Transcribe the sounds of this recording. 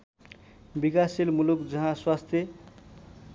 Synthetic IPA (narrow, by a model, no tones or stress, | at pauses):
bikaselmulukd͡zʌɦãswast̪ʰje